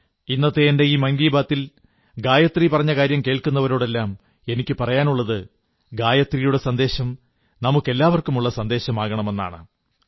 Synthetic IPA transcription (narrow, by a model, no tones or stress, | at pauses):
inːɐt̪ːeende̞iːmɐŋɡiːbaːt̪ːil | ɡaːjɐt̪ripɐrɐɲːɐkaːɾjɐmkeːɭkunːɐʋɐɾo̞ːɽe̞lːaːm | e̞nikʲːɨpɐrɐjaːnuɭːɐðɨ | ɡaːjɐt̪rijuɽe̞sɐnd̪e̞ːɕɐm | nɐmukːe̞lːaːʋɐrkumuɭːɐsɐnd̪e̞ːɕɐmaːɣɐɳɐme̞nːa̰ːɳɨ̰